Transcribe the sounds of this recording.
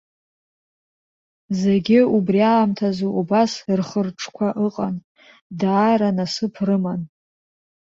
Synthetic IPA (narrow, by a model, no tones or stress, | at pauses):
ze̞ɡʲɪubriaːmtʰazuʔubasrχərʈ͡ʂʰʼkʷʰaʔɨqʼan | daːɾanasɨpʰrɨman